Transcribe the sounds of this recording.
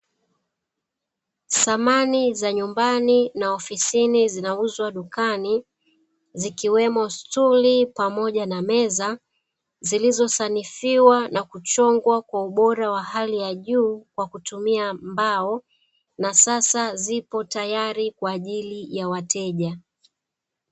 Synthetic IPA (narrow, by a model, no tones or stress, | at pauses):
samanizaɲumbaninaɔfisinizinauzwaɗukani | zikiwɛmɔstulipamɔʄanamɛza | zilizɔsanifiwanakut͡ʃɔŋɡwakwauɓɔɾawahalijaʄuːkwakutumiambaɔ | nasasazipɔtajaɾikwaːʄilijawatɛʄa